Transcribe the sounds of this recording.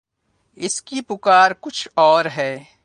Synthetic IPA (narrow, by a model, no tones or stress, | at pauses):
ɪskipʊkaːɾkʊt͡ʃʰɔːɾɦɛː